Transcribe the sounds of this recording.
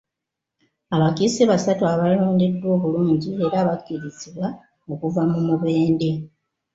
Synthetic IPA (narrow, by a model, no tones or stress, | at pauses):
aβakiseβasatuaβaluːndedːwo̞ːβuluːɲɟie̞ɾaːβakːiɾiziβwa | o̞kuvamumuβe̞ːnde̞